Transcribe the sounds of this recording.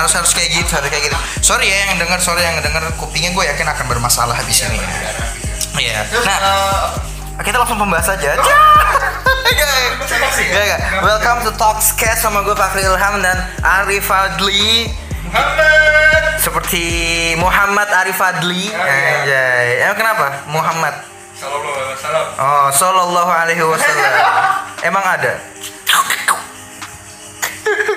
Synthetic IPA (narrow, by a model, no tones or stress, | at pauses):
haɾʊshaɾʊskajaɡithaɾʊskajɡit̪sɔɾijajaŋdəŋərsɔɾijaŋədəŋərkupiŋaɡuajakɪnakanbərmasa̰laɦabisinḭa̰ | ja̰nah | kit̪alaŋsʊŋpəmbaɦasad͡ʒad͡ʒa | d͡ʒa | ɡaɡawɛlkamt̪ut̪ɔkskɛssamaɡuafakliːlɦamdan | ʔaɾifad̪li | səpərt̪ʰimuɦamːat̪̚aɾifad̪lid͡ʒajekənapamuɦamːat̪̚ | ʔɔsɔlɔlˠːɔɦualeɦiwasalːamemaŋada